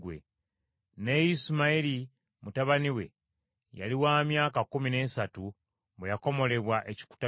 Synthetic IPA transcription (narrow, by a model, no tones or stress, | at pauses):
wḛ | nejismaiɾi | mutaβaniwe̞̰ | ja̰liwaːmjaːkakumine̞ːsatu | βejako̞mo̞le̞βwaʔe̞ci̥ku̥ta